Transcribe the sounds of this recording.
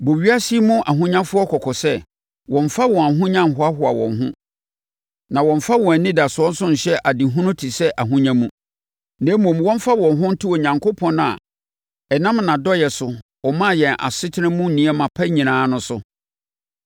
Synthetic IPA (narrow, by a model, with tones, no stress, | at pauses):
bo˨ɥi˦a˦si˦mʊ̃˦ʔa˨ɦʊ̃˦ɲã˦fʊ˦ɔ˦kʰɔ˨kʰɔ˨sɛ˦ | wɔ̃˨n˨fa˦wɔ̃˨a˨ɦʊ̃˦ɲã˦m˨ɦʊ˨˦a˦ɦʊ˨a˨wɔ̰̃˨nɦʊ̰̃˦ | nã˨wɔ̃˨ɱfa˦wɔ̃˨æ˨nĩ˦da˨sʊ˨ɔ̃˦n̩˦sʊ˦ɲ̩˨ɕɛ˦ʔa˨dɪ˨ɦũ˦nʊ̃˦tʰi˨sɛ˦ʔa˨ɦũ˦ɲã˦mũ˦ | nɛ̃˨˦mũ˨m˦wɔ̃˦m˦fa˦wɔ̃˨nɦʊ̃˦n̩˦tʰi˦ɔ˨ɲã˨ŋko˦pʰɔ̃˦nã̰˨ | ɛ˨nã˦mnã˨dɔ˦jɛ˨sʊ˨wɔ˨mã˦˨jɛ̃˨nʔa̰˨sɪ˦tʰɪ˦nɪ̃˦mũ˦n̩˨nĩ˨˦ɛ˦mã˨pʰa˦ɲĩ˨nãː˨˦nʊ̃˦sʊ˦